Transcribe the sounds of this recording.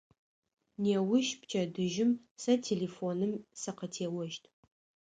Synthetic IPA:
neːwʊʃpt͡ʃʼɐdɨʒɪm | sɐtʰeːleːfoːnɨmsɨqətʰeːwɔʒtʰʼ

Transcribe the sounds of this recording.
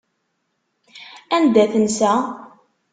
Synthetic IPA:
ænd̪æθənsæ

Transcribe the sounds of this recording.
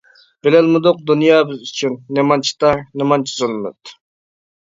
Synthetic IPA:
b̥elɛlmɨd̪ʊq̚d̪unijɑbɨzyt͡ʃʰynːemɑnt͡ʃʰi̥t̪ɑnɨmɑnt͡ʃʰyzɨlˠmɨ̰t̪

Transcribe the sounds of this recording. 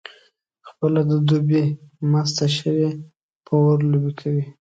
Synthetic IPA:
xpəlad̪əd̪ubemast̪aʃəwe | pʰəwaɾlobikʰawi

